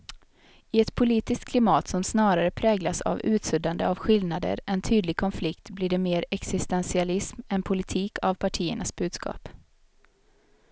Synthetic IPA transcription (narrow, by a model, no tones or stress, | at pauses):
ɪɛt̪pʰʊliːt̪ɪst̪̚kʰlɪmɑːt̪sɔmsnɑːɾaɾəpʰɾɛːɡlasa̰vʉ̟ːt̪sɵd̪and̪əavɧɪlnad̪ə̰ɾʔɛnt̪ʰyːd̪lɪɡ̚kʰɔnflɪkt̪bliːɖɛmeːɾɛksɪst̪ɛnsɪalɪsmɛnpʰʊlɪt̪ʰiːkʰavpʰaʈʰiːə̰ɳasbʉ̟ːd̪skʰɑ̰ːp